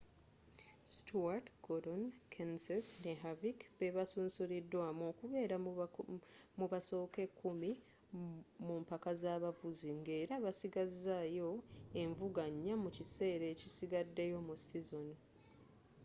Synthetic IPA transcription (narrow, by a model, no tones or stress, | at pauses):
stʰuaɾtɡodonkʰenselneɦavikβeβasuːnsuɾidːwamo̞ːkuβe̞ːɾa | muβaso̞ːke̞kːumi | mumpakazaβavuziŋɡe̞ːɾaβasiɡazajo̞e̞ɱvuɡaɲːamucise̞ːɾe̞ːcisiɡadːejo̞musizoni